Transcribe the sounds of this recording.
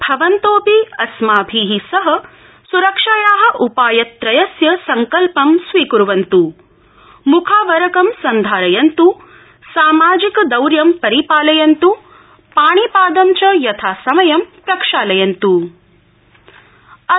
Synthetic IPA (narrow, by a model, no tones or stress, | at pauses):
bʱɐʋɐnt̪oːpiɐsmaːbʱiːɦisɐɦɐ̆ | suɾɐkʂaːjaːɦɐ̆ʔupaːjɐt̪ːɾɐjɐsjɐsɐŋkɐlpɐmsʋiːkuɾuʋɐnt̪u | mukʰaːʋɐɾɐkɐmsɐnd̪ʱaːɾɐjɐnt̪u | saːmaːd͡ʒikɐd̪ɐwɾjɐmpɐɾipaːlɐjɐnt̪u | paːɳ̃ipaːd̪ɐmt͡ʃɐjɐt̪ʰaːsɐmɐjɐmpɾɐkʂaːlɐjɐnt̪u | ɐ